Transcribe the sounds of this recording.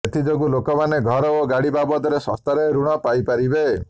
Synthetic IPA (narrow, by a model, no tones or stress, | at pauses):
et̪id͡ʒoɡulokɔmaneɡʱɔɾɔoɡaɽibabɔd̪ɔɾesɔ̰st̪aɾeɾuɽ̃ɔpajpaɾibe